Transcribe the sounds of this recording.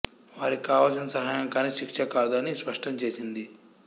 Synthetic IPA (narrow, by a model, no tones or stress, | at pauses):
ʋaːɾikaːʋɐlsinɐsɐɦaːjɐŋkaːniʃikʂɐkaːd̪uɐnispɐʂʈɐmt͡ʃe̞ːsind̪i